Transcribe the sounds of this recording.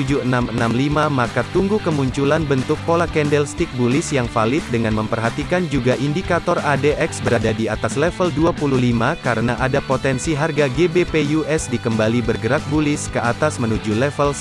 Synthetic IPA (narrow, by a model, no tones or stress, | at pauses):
ud͡ʒuənamənamlimamakat̪uŋɡukəmuɲt͡ʃulanbənt̪ʊkpolakɛndɛlst̪ik̚bulɪsjaŋfalɪt̪̚dəŋanməmpərɦat̪ikand͡ʒuɡaʔindikat̪ɔradeʔɛksbəɾadadiat̪aslɛfəlduapululimakaɾənaʔadapot̪ɛnsiɦarɡaɡebepejuɛsdikəmbalibərɡəɾak̚bulɪskəat̪asmənud͡ʒulɛfəl